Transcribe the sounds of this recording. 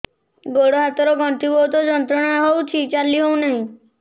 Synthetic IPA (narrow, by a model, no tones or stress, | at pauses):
ɡoɽoɦat̪ɔɾɔɡɔ̃ɳt̪ibɔwt̪ɔd͡ʒɔnt̪ɾɔɽ̃aɦowt͡ʃʰit͡ʃaliɦownaɦĩ